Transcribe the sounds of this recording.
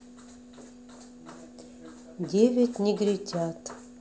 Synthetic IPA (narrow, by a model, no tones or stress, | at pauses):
d̪ʲevʲetʲnʲiɡɾʲitʲat̪